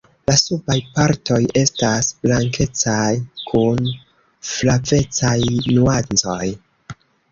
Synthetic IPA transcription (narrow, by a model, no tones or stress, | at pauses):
lasubajpaɾto̞je̞stasblaŋke̞t͡sajkʰun | flave̞t͡sajnuant͡so̞j